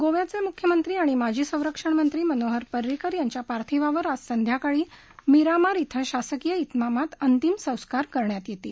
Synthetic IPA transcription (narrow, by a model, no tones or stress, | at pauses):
ɡoʋjat͡semukʰjəmənt̪ɾiːaɽ̃imad͡ʑʱiːsə̃w̃ɾəkʂəɳmənt̪ɾiːmənoɦəɾpəɾːikəɾjaɲt͡ɕjapaɾt̪ʰiʋaʋəɾasənd̪ʱjakaɭiː | miɾamaɾit̪ʰəɕasəkijəit̪mamat̪ənt̪imsə̃w̃skaɾkəɾɳjat̪jet̪ḭː